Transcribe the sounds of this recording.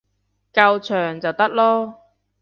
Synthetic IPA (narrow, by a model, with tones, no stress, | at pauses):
kɐ˧wt͡ʃʰœː˨˩ŋt͡sɐ˨˩wt̪ɐ˥k̚lɔː˥